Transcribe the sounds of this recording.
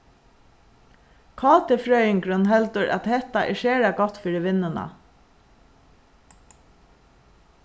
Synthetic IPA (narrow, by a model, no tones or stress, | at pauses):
kʰɑːt̪ɪfɹœːjɪŋkɾɵnɦɛlt̪əɾʔa̰t̪hɛht̪aʔɛʃeːɹaɡɔt̪ːfiːɹɪʋɪnːʊna̰